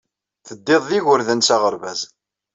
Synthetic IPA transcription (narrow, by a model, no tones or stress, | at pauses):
θəd̪ːeðˤðiʝʊɾðənsaʁəɾvæz